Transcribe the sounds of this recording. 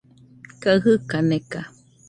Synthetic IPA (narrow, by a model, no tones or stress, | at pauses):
kaɨɦɯkaneka